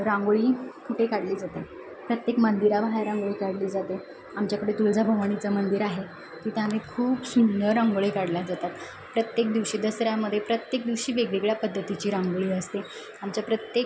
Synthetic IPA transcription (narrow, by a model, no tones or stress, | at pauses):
ɾãŋɡoɭiːkʰuʈekaɽliːd͡zat̪e | pɾət̪jekmənd̪iɾaʋɦajɾãŋɡoɭiːkaɽliːd͡zat̪e | amt͡ɕjakəɽet̪uld͡zʱabʱəʋaɳ̃it͡samənd̪iɾaɦe | t̪it̪ʰeam̤iːkʰuːbsunːəɾaŋɡoɭikaɽlad͡zat̪at̪ | pɾət̪jek̚d̪iʋɕiːd̪əsɾjaməd̪ʱːjepɾət̪jek̚d̪iʋɕiːʋeɡɭeɡɭjapəd̪ʱːət̪it͡ɕiːɾãŋɡoɭiːəst̪e | amt͡ɕjapɾət̪jek